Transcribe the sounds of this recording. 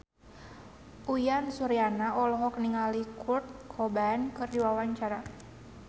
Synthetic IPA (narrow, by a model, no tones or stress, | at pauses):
ʔujansuɾijanaɔlɔɦɔkniŋalikʰurt̪̚kʰɔbankɨrdiwawaɲt͡ʃaɾa